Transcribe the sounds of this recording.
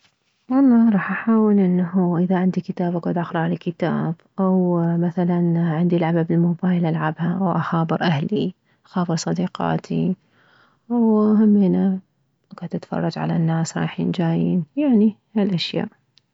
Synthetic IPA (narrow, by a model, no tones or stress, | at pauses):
ʔɑlˤːɑːɾˤɑːħʔaħaːwɪlʔɪnːaɦuʔɪðaʕɪnd̪ikɪt̪aːbʔaɡʕʊd̪ʔaxɾˤʕalakɪt̪a̰ːb̥ʔawmaθalanʕɪnd̪ilʕababɪlmoːbaːjlʔalʕabhaʔwʔaxɑːbɨɾʔahli | ʔaxɑːbɨɾsˤɑd̪iːqɑ̰ːt̪ʰi | ʔawɦamːeːna | kat̪ːɪt̪fɑ̰rˤːɑd͡ʒʕa̰la̰nːaːsɾˤɑ̰ːħjɪ̰nd͡ʒaːjiːnjaʕnihalʔaʃja̰ːʔ